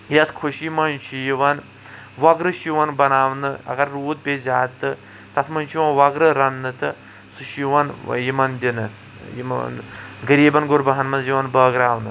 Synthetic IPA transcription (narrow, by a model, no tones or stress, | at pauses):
jɐt̪ʰkʰuʃjimɐnt͡ʃʰijiʋɐn | ʋɐɡɾɨʃiʋɐnbɐnaːʋnɨɐ̰ɡɐɾːuːt̪̚bʲeːzʲaːt̪ːɨ | t̪ɐt̪ʰmɐnt͡ʃʰiʋɐnʋɐɡɾɨɾɐnːɨt̪ɨ | suʃiʋɐnjimɐnd̪ʲinɨ | jimɐɡɐɾiːbɐnɡʊɾbɐɦɐnmɐnjiʋɐnbɐːɡɾaːʋnɨ